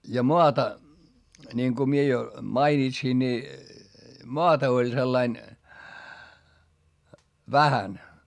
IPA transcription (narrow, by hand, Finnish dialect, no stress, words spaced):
jɑ moɑtɑ nʲiŋku mie jo mɑinitsin nʲi moɑtɑ olʲ selːɑin ʋæhæn